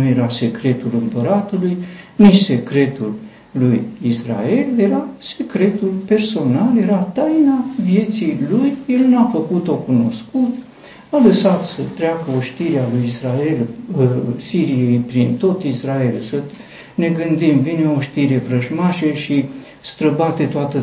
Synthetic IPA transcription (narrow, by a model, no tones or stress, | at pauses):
uje̞ɾase̞kɾe̞t̪ulɨmpəɾat̪ulujnit͡ʃse̞kɾe̞t̪ulː | ujisra̰e̞lje̞ɾase̞kɾe̞t̪ulpe̞rso̞nalje̞ɾat̪ajnavije̞t̪sijlujje̞lnuafəkut̪o̞kuno̞skut̪ | aləsat̪sət̪ɾeakəoʃt̪iɾealujisɾae̞l | siɾije̞jpɾint̪o̞t̪israe̞lsə | ne̞ɡɨnd̪imvineoʃt̪iɾe̞fɾəʒmaʃeʃi | st̪ɾəbat̪e̞t̪oat̪ə